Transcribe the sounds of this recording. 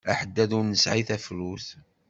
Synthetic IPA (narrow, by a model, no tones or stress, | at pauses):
æħəd̪ːæðʊɾnəsʕiθæfluθ